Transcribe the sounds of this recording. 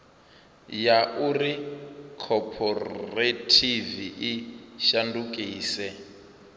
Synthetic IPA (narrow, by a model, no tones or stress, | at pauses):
jaʔurikʰɔpʰɔretʰiviʔiʃandukʼiːsɛ